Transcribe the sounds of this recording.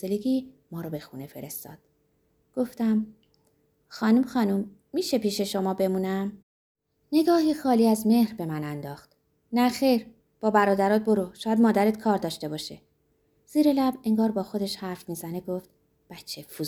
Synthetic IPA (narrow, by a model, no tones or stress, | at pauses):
eleɡiːmɒːɾɒbe̞xunefe̞ɾe̞st̪ɒ̰ːd̪̥ | ɡ̥o̞ft̪æm | xɒːnumxɒːnumː | iːʃe̞piːʃe̞ʃo̞mɒːbe̞muːnæm | ne̞ɡɒːɦixɒːliːæzme̞hɾbe̞mænænd̪ɒːxt̪ | næxe̞jɾ | b̥ɒːbæɾɒːd̪æɾɒːt̪̚bo̞ɾuʃɒːjæd̪mɒːd̪æɾet̪kʰɒːɾd̪ɒːʃt̪e̞bɒːʃe | z̥iːɾelæbe̞ŋɡɒːɾbɒːxo̞d̪eʃhæɾfmiːzæne̞ɡoft̪̚ | b̥æt͡ʃʰːefu